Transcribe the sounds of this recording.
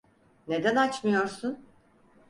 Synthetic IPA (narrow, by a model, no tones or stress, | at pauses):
ne̞d̪ænat͡ʃmɯjo̞ɾsun